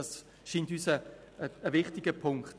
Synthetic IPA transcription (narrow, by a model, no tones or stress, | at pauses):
ɑs | ʃiːntyːsə | əəvɪχtɪɡ̥əpʰʊŋkχt